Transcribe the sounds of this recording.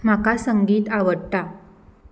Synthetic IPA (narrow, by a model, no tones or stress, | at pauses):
m̤akasəŋɡiːt̪aʋəɽt̪a